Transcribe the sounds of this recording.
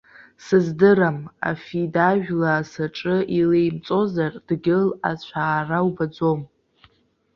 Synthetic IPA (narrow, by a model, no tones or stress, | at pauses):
sɨzdɨɾama̰fidaʒᶣlaːsaʈ͡ʂʼɨʔilejmt͡sʼo̞zard̥ɡʲɪla̰t͡ɕʷʰaːrawbad͡zo̞m